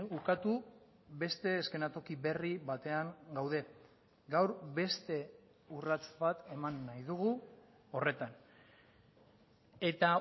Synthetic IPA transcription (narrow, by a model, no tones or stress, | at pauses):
ukat̪u | be̞st̪e̞ːske̞nat̪o̞kiβe̞riβat̪e̞aŋɡawðe̞ | ɡawɾbe̞st̪e̞ | urat͡sbat̪e̞manːajðuɣu | o̞re̞t̪an | e̞t̪a